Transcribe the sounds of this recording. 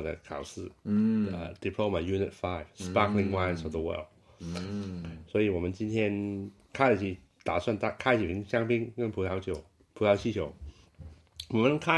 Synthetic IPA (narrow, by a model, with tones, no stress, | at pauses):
d̪ə̰˧kʰa̰˨˩ʊsɹ̩˥˩ə̰˧d̪i˨˩pʰlo˥˧ʊmə˨ju˥˧nɪ̰˧t̚fa˥˩ɪv̥spa˥kli˧ŋwa˥ɪnsɔ˨vðə˨wɜ̰˥˩ld | swɔ˧˥i˨˩wɔ˨˩mə̃˦nt͡ɕi˥nt̪ʰjɛ˥n | kʰa˥ɪlə˨˩t͡ɕʰi˧˥˩ | t̪a˨˩swa˥˩nt̪a˥˩kʰa˥ɪt͡ɕi˨˩pʰi˧˥ŋɕja˥ŋpi˥ŋkə˥npʰu˧˥t̪ʰa˧˥ʊt͡ɕjo˨˩ʊ | pʰu˧˥t̪ʰa˧˥ʊt͡ɕʰi˥t͡ɕʰjo˨˥ʊ | wɔ˨˩mə˧˦nkʰa˥